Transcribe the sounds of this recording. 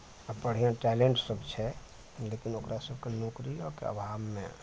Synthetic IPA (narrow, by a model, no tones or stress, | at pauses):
əpəɽ̤ijãʈɛːleɳʈsəbt͡ʃʰɛ | leːkinoːkɾasəb̚ʱkanoːkɾijɔkḛə̰bʱaːbmḛ̃